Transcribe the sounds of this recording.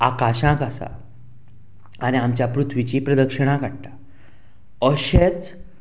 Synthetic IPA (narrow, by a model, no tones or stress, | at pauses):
akaɕãkasa̰ | añiamt͡ɕjapɾut̪ʰʋit͡ɕipɾəd̪əkʂəɽ̃ãkaɽʈḁ | əɕet͡s